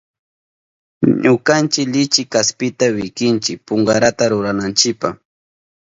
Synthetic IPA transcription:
ɲʊkant͡ʃɪkʎɪt͡ʃɪkaspɪt̪awɪkɪnt͡ʃɪk̚pʊŋɡaɾat̪aɾʊɾanant͡ʃɪpaχ

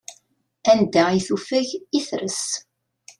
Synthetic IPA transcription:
ænd̪æiθufæʝiθɾəs

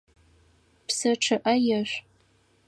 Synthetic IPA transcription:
pʰsɐʈ͡ʂʰɨʔɐjaʃʷ

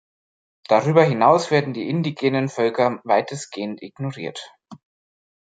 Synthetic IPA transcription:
d̥aʁyːbɐɦɪnaʊsv̥eːɐdn̩diːʔɪndiɡeːnənfœlkɐvaɪtʰəsɡ̥eːəntɪɡnoʁiːɐt

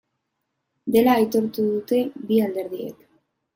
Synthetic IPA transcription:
d̪e̞laːjt̪o̞ɾt̪uðut̪e̞biald̪e̞ɾðiḛk

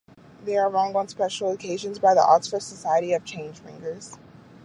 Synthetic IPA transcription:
ðəəɹɔ̃ŋə̃nspɛʃl̩ˠkʰeɪʒɨ̃nzbaɪðḭʔɑksfə˞dsəsaɪɨɾiʌv̥t͡ʃʰẽɪ̃nd͡ʒ̥fɪ̰̃ŋɡə˞z̥

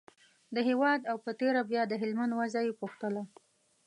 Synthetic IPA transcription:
d̪əɦewɑd̪awpət̪eɾabjɑd̪əɦɪlmand̪wazajepuxt̪əla

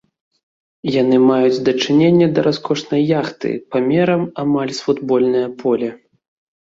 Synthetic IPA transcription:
janɨmajud͡zʲd̪ɐt͡ʂɨnʲenʲːɛd̪ɐɾʔaskɔʂnɐjːaxt̪ɨ̰pamʲɛɾɐmamalʲsfud̪bɔlʲnɐjɐpʰɔlʲɛ

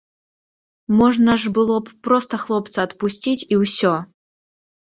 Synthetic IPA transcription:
mɔʐnɐʐbɨlˠɔpːɾɔst̪ɐxlˠɔp̚t̪sɐɐt̪pusʲt͡sʲit͡sʲiwsʲɔ

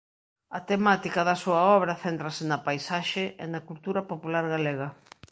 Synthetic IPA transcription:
ɐt̪emat̪ikɐðɐsuɐɔβɾɐθent̪ɾɐsɪnɐpajsaʃɪʔḛnɐkult̪uɾɐpopulaɾɣaleɣɐ

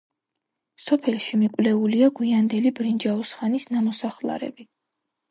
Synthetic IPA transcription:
sɔpʰɛlˠʃimikʼwlɛuliaɡwiand̪ɛlibɾind͡ʒausχanisnamɔsaχlˠa̰ɾɛ̰bi

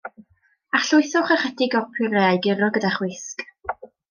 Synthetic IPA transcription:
aχɬʊɨθɔχəχɛdɪɡɔpʰʊrɛajɡɪrɔɡədaχwɪsk

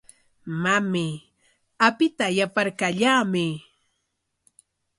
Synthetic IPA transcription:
mamɪ | apɪt̪ajapaɾkaʎaːmɪ

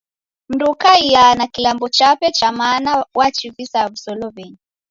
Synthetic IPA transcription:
m̩ɾukaijanakiambɔt͡ʃapɛt͡ʃamaːnawʔat͡ʃivisavisɔlɔvɛɲi

